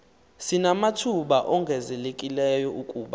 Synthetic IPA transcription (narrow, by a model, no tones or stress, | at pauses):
sinamatʰuɓaʔɔŋɡʱɛzɛlekʼilɛjɔukʼuːɓa